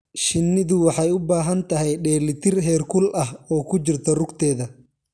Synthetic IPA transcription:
ʃɪnːɪðʊwɑħɑjʊbaːɦɐnt̪ʰɐɦɛjɖɛːlɪt̪ʰɪrɦɛːrkʰʊlʔɐɦɔːkʰʊt͡ʃɪrt̪ʰɔrʊɡt̪ʰɛːðɐ

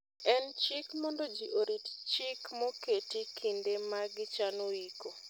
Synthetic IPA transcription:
ɛnt͡ʃɪkmondod͡ʒiʔoɾitt͡ʃɪkmoketikʰindemaɡɪt͡ʃanoiko

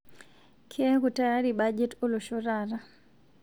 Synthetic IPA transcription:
kʰɛkutajaɾibad͡ʒɛtoloʃoɾaɾa

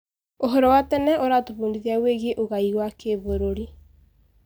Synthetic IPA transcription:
oɦɔɾɔwatɛnɛʔoɾatoβuːndiðiaweɣeʔoɣaiwakeβoɾoɾi

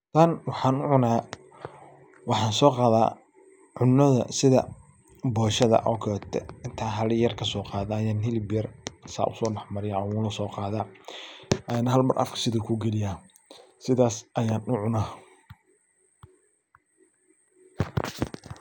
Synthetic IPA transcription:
t̪ʰanwɑħɑːnʊʕʊnaː | wɑħɑːnsɔːqɑːða̰ː | ʕʊnːɐðɐ̰sɪðɐ̰ | bɔːʃɐðɐ̰ʔɔːkʰɔɛt̪ʰɛɪnt̪ʰaːɦɐlɪjɐrkʰɐsɔːqɑːðaːjaːnhɪlɪbjɐrsa̰ːʔʊ̰sɔːɖɑħmɐɾɪjwʊːlɐsɔːqɑːðaː | ʔɛnɦɐlmɐrʔɐ̰fkʰɐ̥sɪðʊkʰʊɡɛlɪjaː | sɪðaːsʔɐjaːnʊʕʊnaː

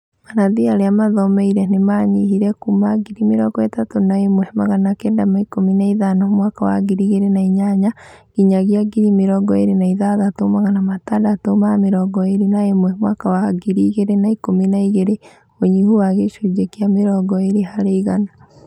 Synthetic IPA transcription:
manaðiaɾeamaðɔmɛiɾɛnemaɲihiɾɛkumaɡiɾimeɾɔɡɔetatonaemwɛmaɣanakɛndamaikominaiðanamwakawa̰ɡiɾiɣeɾenaiɲaɲaɣiɲaɣjaɡiɾimeɾɔɡɔeɾenaiðaðatomaɣanamatadatomameɾɔɡɔeɾinaemwɛmwakawaɡiɾiɣeɾenaikominaiɣeɾe | oɲihuwaɣeʃud͡ʒɛkiameɾɔɡɔeɾeɦaɾeiɣana

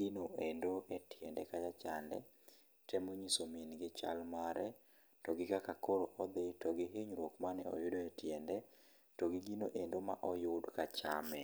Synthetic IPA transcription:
ɡinoendoʔɛtjɛndɛkajat͡ʃandɛ̰ | tʰɛmoɲisomenɡɪt͡ʃa̰lmaɾɛ | tɔɡɪkakakoɾoʔɔd̪ɪtɔɡɪɦeɲɾwokmanɛɔ̰jʊdoetjɛndɛ | toɡɪɡinoʔendoma̰ʔɔjʊdkat͡ʃamɛ

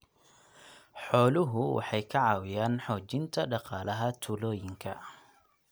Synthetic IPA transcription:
ħɔːlʊɦʊwʔɑ̰ħɑjkʰɐʕɑːwɪjaːnħɔːt͡ʃɪnt̪ʰɐɖɑqɑːlɐɦɐt̪ʰulɔːjɪŋkʰɐ

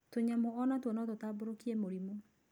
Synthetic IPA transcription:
toɲamoɔnatwɔnɔtotaːboɾokiɛmoɾimo

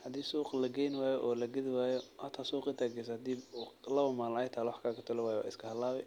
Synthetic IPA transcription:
hɐd̪iːsuːqlɐɡɛjnwaːjɔʔɔːlɐɡɐðɪwaːjɔhɐt̪ʰaːsuːqʼɪt̪ʰaːɡɛs̬ɐhɐd̪iːblɐɐmaːnlaːɪt̪ʰaːlwɑħkʰaːkʰɐt̪ʰʊlɛwaːjɛwa̰ːɪskʰɐhɐlːaːβɛ

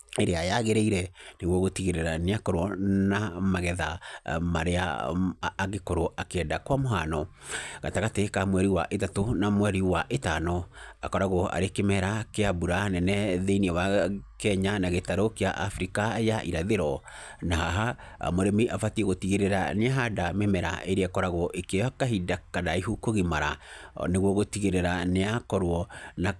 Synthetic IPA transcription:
eɾeajaɣeɾeiɾɛneɣwɔɣotiɣeɾeɾaneakɔɾwɔnamaɣɛðamaɾea̰ː | ɣekoɾoʔakeɛːdakwamoɦanɔɣa̰taɣatekamwɛɾiwa̰ʔetatonamwɛɾiwaʔetanɔa̰kɔɾaɣoa̰ɾekemɛɾakeabuɾanɛnɛðeiniɛwakɛɲanaɣetaɾokeaʔafɾikajaʔiɾaðeɾɔ | naɦaɦa̰ | moɾemiʔafatiɛɣotiɣeɾeɾa̰neaɦadamemɛɾa̰ʔeɾeakɔɾaɣoʔekeakaɦidakadaiɦukoɣimaɾaneɣwɔɣotiɣeɾeɾaneakɔɾwɔna

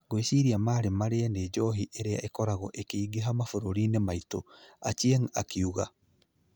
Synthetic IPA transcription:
ɡoweʃiɾiamaːɾemaɾeaned͡ʒɔɦiʔeɾea̰ʔekɔɾaɣɔ̰ʔekeiɡeɦamafoɾoɾiːnemaitoa̰t͡ʃieŋ̩akiuɣa

